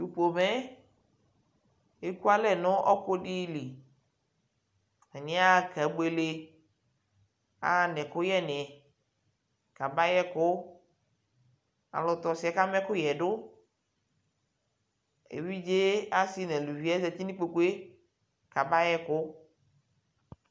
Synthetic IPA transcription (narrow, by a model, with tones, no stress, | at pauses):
ju˨po˨mɛ˦ | e˦ku˦a˦lɛ˦nɔ̃˦ʔɔ˦ko˦ɖi˦li˨ | ɛ˨nĩ˦a˦kɛ˨˦ɡ͡be˨le˦ | a̰˨nɛ̃˨kʊ˦jɛ˦nɛ̃˨ | ka˨ba˦jɛ˦kʊ˦ | a̰˨lɔ˨t̪ɔ˨si˨˦a˨ka˦mɛ̃˦kʊ˦jɛ˨ɖʊ˦ | ḛ˨wi˦d͡ʒe˦a˦si˦nɛ̃˨lu˨vi˨˦ɛ˦zɛ˨t̪i˦nĩ˦k͡po˨ku˦e˦ | ka˨ba˦jɛ˦kʊ˦